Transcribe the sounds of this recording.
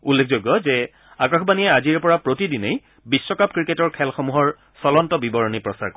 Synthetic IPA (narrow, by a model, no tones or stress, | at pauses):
ulːek̚ʰzojɡːɔzɛ | akãxʰbaniɛaziɹpɔɹapɹotidinej | bisːɔkap̚kɹiketɔɹkʰɛlxomuɦɔɹ | sɔlɔntɔbibɔɹɔnipɹɔsa̰ɹk